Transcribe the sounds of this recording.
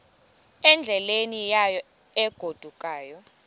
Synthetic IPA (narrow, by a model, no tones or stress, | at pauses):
ɛnd͡ɮʱɛlenijajɔ | ɛɡ̥ʱod̥ʱukʼaːjɔ